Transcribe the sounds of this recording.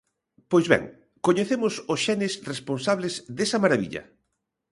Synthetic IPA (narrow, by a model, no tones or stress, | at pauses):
pojzβɛ̰ŋ | koɲeθemʊsosʃɛnɪsresponsaβ̞lezd̪esɐmaɾaβḭʎɐ̰